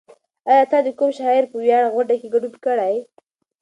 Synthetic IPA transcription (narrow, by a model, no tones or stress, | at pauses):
ajɑt̪ɑd̪əkumʃɑɪɾpəwjɑɽaɣwaɳɖakeɡaɖunkəɽaj